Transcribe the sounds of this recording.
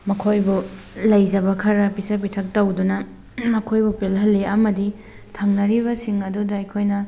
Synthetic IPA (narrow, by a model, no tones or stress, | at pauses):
mɐkʰojbu | lɐjd͡ʒɐbɐkʰɐɾɐpisɐp̬itʰɐk̚tɐwdunɐ | mɐkʰojbupelɦɐlːeɐmɐdi | tʰɐŋnɐɾiβɐsiŋɐdudɐɐjkʰojnɐ